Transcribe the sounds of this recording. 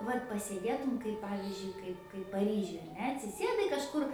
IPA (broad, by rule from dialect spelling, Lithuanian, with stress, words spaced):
ˈʋɐt pɐsʲeːˈdʲeːtʊm kɐɪp ˈpɑːʋʲɪzʲd͡ʒʲʊɪ ˈkɐɪp kɐɪp pɐˈrʲiːʒʲʊj ɐr ˈnʲɛ ɐtʲsʲɪˈsʲeːdɐɪ kɐʃˈkʊr